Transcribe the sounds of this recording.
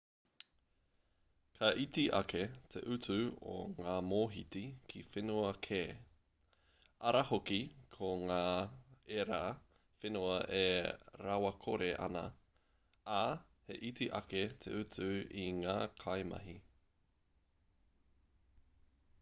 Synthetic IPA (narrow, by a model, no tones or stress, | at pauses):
kʰɐʔitiʔɐ̰kʰet̪ʰḛʔʉt͡sʉo̰ŋaːmoːɦitikʰifenuɐkʰeː | ɐɾɐhokikʰoŋaːeɾa | fenuɐʔeɾawɐkʰoɾeʔɐ̰nɐ̰ | a | hḛʔitiʔɐ̰ketʰḛʔʉt͡sʉiŋaːkʰajmɐ̰ɦi